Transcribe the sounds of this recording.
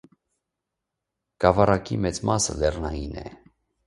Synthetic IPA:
kɑvɑɾɑkimɛt͡smɑsə̰lɛrnɑjinɛ̰

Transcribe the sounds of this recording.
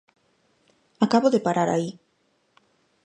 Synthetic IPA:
akaβoðɪpaɾaɾa̰i

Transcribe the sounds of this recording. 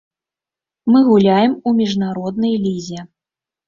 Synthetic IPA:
mɨɣulʲajɛmumʲiʐnaɾɔd̪nɐjlʲizʲɛ

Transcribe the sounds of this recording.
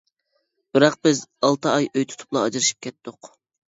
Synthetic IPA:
b̥ɪɾɑq̚bɪzɑlˠt̪ʰɨɑjʔøjt̪ʰu̥t̪ʰʊ̥plˠɑɑd͡ʒɨɾɨʃi̥p̚kʲʰɛt̪ːʊq

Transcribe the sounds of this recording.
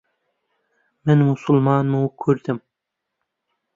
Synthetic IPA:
mɛnmusulˠmɑːnmukʲʰøɾd̪ɪm

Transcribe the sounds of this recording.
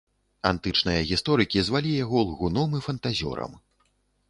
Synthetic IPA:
a̰nt̪ɨt͡ʂnɨjɐɣʲist̪ɔɾɨkʲizvalʲijaɣɔlˠɣunɔmɨfɐnt̪azʲɔ̰ɾɐ̰m

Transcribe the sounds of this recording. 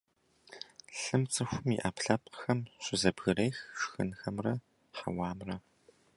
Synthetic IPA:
ɬɨmt͡sʼɨxʷʊmiʔaːpɬɐpqxɐmɕʷʼɪzɐbɣɨrejxʂxɨ̰nxɐmrɐ | ħɐ̰wɑːmrɐ

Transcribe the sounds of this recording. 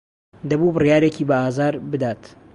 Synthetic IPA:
d̪ɐbubɨrjaːɾeciːbɐaːzaːɾbɨd̪aːt̪

